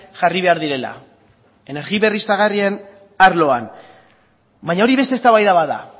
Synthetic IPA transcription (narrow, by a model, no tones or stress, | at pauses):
ʝariβe̞aɾðiɾe̞la̰ | e̞ne̞ɾɣiβe̞rist̪aɣ̞arien | aɾlo̞an | baɲao̞ɾiβe̞st̪est̪aβajðaβaða̰